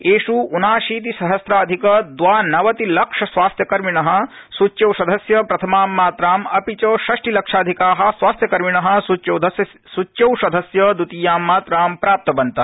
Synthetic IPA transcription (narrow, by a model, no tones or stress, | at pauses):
eːʂuːnaːʃiːt̪̬isɐɦɐsɾaːd̪ʱikɐd̪ʋaːnɐʋɐt̪ilɐkʂɐsʋaːst̪ʰjɐkɐɾmiɳɐɦɐ̆ | sut͡ʃːjɐwsɐd̪ʱɐsjɐpɾɐt̪ʰɐmaːmːaːt̪ɾaːmɐpit͡ʃɐʃɐʂʈilɐkʂaːd̪ʱikaːɦɐ̆sʋaːst̪ʰjɐkɐɾmiɳɐɦɐ̆sut͡ʃɐw̪ɐj | sut͡ʃːt͡ʃɐwsɐd̪ʱɐsjɐd̪ut̪ijaːmːaːt̪ɾaːmpɾaːp̚t̪ɐbɐnt̪ɐ